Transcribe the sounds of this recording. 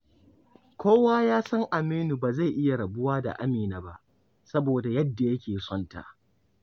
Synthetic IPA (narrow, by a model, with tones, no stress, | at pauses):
kʷʰoː˦waː˦jaː˦sɐ˦ŋʔa˨miː˦nu˨baː˨za˦˨jʔɪ˦ja˨ɽɐ˨bʊ˦waː˦da̰˨ʔa˦miː˨na˨ba˦ʔ | sɐ˦boː˨da˨jɐ˦dːa˨jɐ˦kʲeː˨sɔ˦nta̰ː˨